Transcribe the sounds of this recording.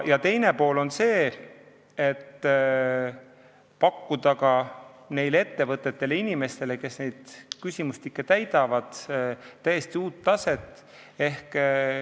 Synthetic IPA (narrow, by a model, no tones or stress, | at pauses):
jɑt̪e̞jne̞po̞ːlo̞nse̞ː | et̪ː | pɑkːud̪ɑkɑne̞jle̞t̪ːe̞vɤt̪ːˑet̪ːe̞leinime̞st̪e̞le̞ke̞sne̞jd̪̥kysʲimust̪ikːˑet̪æjd̪̥ɑvɑd̪̥t̪ːæje̞st̪iuːt̪ːɑse̞t̪ːˑ | e̞hk